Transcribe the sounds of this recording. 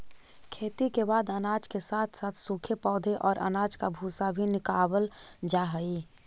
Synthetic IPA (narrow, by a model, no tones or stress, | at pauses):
kʰeːt̪ikebaːd̪ənaːd͡ʒkesaːt̪ʰsaːt̪ʰsuːkʰepɔːd̪ʱeʔɔːɾʔə̰naːd͡ʒkabʱuːsabʱinɪkaːwəld͡ʒaːɦəi